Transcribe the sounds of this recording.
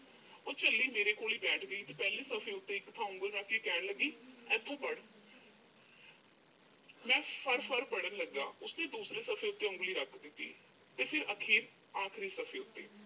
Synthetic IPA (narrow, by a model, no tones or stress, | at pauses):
oːt͡ʃəlːiːmeːɾeːkoːliːbɛːʈʰɡəiːt̪eːpɛːleːsəfʰẽːʊt̪ːeːɪkːt̪ʰãːʊ̃ŋɡəlmɛ̃kikɛːɽləɡiːɛːt̪ʰõːpəɽ | mɛ̃ːpʰəɾpʰəɾpəɽənləɡːa̰ːʊsnẽːd̪uːsɾeːsəfʰẽːʊt̪ːeːʊ̃ŋɡliːɾəkʰd̪ɪt̪ːḭː | t̪eːpʰɪɾəkʰiːɾ | aːkʰɾiːsəfʰẽːʊt̪ːḛː